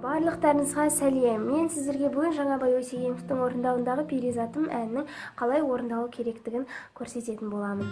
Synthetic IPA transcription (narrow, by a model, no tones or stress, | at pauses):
bɑɾlˠəqt̪ɑɾəŋəzʁɑsælemːe̞nsɪzd̪e̞ɾɡʲe̞bʏɡʲɪnʒɑɴɑbɑjwɵse̞ɡʲe̞nɪ̥t̪ɪŋwo̞ɾnnd̪ɑwənd̪ɑʁəpʲʰiɾijzɑt̪əmænɪnːɪŋqʰɑlˠɑjwo̞ɾənd̪ɑw̪ˠukʲʰe̞ɾe̞kt̪ɪɡʲɪŋkʲʰɵɾse̞t̪e̞t̪ɪnbo̞lˠɑmən